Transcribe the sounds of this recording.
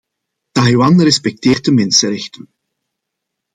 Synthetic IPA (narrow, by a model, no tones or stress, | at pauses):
tajwɑnrɛspɛk̚teːrt̚dəmɪnsəɾɛxtən